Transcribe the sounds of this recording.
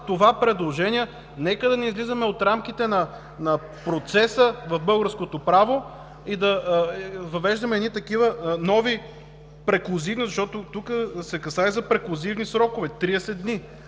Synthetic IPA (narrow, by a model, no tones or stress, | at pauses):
t̪ovapɾɛd̪lˠoʒɛniɛ | nɛkəd̪ɐnɛizlizɐmɛot̪ɾamk̟it̪ɛnɐ | nɐ | pɾot̪sɛsəvɐvbɤlˠɡəɾskot̪opɾavo | id̪ɐ | vɐvɛʒd̪ɐmɛd̪nit̪ɐkivənɔvi | pɾɛklˠozivnizɐʃt̪ɔt̪ot̪ukəsɛkɐsaizɐpɾɛklˠozivnisɾɔkovɛt̪ɾiɛsɛni